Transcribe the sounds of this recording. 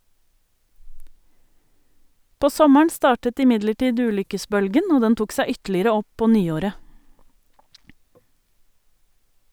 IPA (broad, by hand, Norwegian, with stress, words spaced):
ˈpoː ˈsɔməɳ ˈstɑːʈət ɪˈmɪdləˌʈiːd ˈʉːlʏkəˌsbœlɡən ˈoː ˈdɛn ˈtuːk ˈsæ ˈʏtlɪɾə ˈɔ ˈpoː ˈnyːˌoːɾə